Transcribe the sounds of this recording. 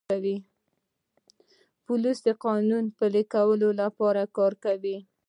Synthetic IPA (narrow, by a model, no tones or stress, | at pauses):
awi | pulisd̪əqɑnunpələkawəlolapɑɾakɑɾkawi